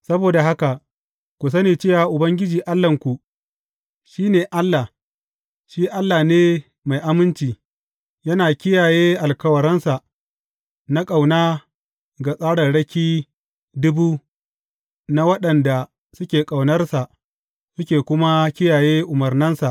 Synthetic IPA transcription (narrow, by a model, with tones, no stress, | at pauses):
sɐ˦boː˨da˨ɦa˦ka˨ʔ | kʷu˨s̬ɐ˦niː˨t͡ʃeː˦wa˨ʔʊ˨bɐ˦ŋɡʲɪ˦d͡ʒiː˨ʔa˦lːɐ˨ŋkʷu˨ʔ | ʃiː˦neː˨ʔa˦lːa˨ | ʃiː˦ʔa˦lːaː˨neː˦ | ma˨jʔa˨mɪ˦nt͡ʃiː˨ | jɐ˦naː˨kʲɪ˦jaː˨jeː˦ʔa˨lkɐ˦wɐ˨ɾɐ˦nsa˨ | na˦kʼa˨wnaː˦ | ɡa˨sʼaː˦ɽɐ˨nɽɐ˦kʲiː˦ | dʊ˦buː˦ | na˦wɐ˦ɗɐ˨nda˨ | sʊ˦kʲeː˨kʼa˨wnɐ˦rsa˨ʔ | sʊ˦kʲeː˨kʷʊ˦ma˦kʲɪ˦jaː˨jeː˦ʔʊ˨mɐ˨rnɐ˦nsa˨ʔ